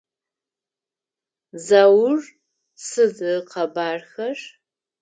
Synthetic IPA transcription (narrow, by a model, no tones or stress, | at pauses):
zawʊr | sɨzɨqɐbaːrxɐʂ